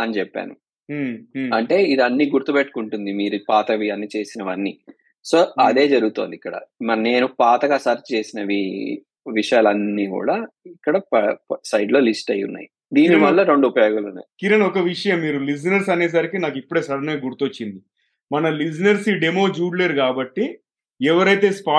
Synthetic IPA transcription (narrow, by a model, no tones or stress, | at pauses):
ɐnit͡ʃɛpːa̰ːnu | ɐɳʈe̞ːid̪ɐnːiɡuɾt̪upeʈːu̥kuɳʈund̪imiːɾupaːt̪ɐʋiɐnːit͡ʃe̞ːsinɐʋɐnːi | so̞ːɐd̪e̞ːd͡ʒɐɾuɡut̪o̞ːnd̪ikːɐɽɐ̰mɐne̞ːnupaːt̪ɐɡaːsɐɾt͡ʃt͡ʃe̞ːsinɐʋḭ | ʋiʂɐjaːlɐnːiːkṵːɽaːikːɐɽɐpsɐjɖlo̞ːlisʈɐjṵnːa̰ːji | d̪iːniʋɐlːɐɾo̞ɳɖuupɐjoːɡaːlɐnḛkiɾɐnɔkɐʋiʂɐjɐmːiːɾulis̬ɐnɐɾsɐneːs̬aːɾikinaːk̬ipːuɽeːsɐɾɐneɐɡuɾt̪uot͡ʃːind̪i | mɐnɐlis̬nɐɾsiɖemoːd͡ʒuːɽleːɾkaːbɐʈːi | ɛʋɐɾɐjt̪e̞ːspaː